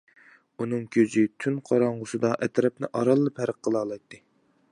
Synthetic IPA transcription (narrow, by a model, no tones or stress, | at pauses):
unɨŋkʲʰød͡ʒ̪yt̪ʰynqʰɑɾɑɴʁʊsɨd̪ɑʔɛt̪ɾɛp̚nɪ̰ʔɑɾɑlˠːɨpʰhæɾəqʰːəlˠɑːlˠɑjt̪ʰːɨ